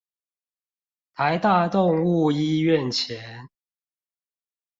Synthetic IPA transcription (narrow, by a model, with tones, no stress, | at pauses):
t̪ʰa˨˦ɪt̪a˥˧t̪o˥˨˧ŋu˥˨i˦ɥɛ˥˨nt͡ɕʰjɛ˨˦n